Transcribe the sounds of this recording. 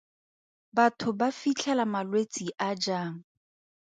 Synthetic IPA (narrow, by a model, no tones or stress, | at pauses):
batʰʊbafit͡ɬʰɛlamalwet͡sʼiʔad͡ʒaːŋ̩